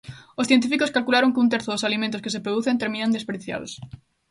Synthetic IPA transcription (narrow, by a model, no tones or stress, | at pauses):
osθjẽnt̪ifikoskalkulaɾoŋkɪunt̪̬ɛɾθoðosalimẽnt̪ʊskɪsepɾoðuθent̪eɾminand̪espeɾiθja̰ðo̰s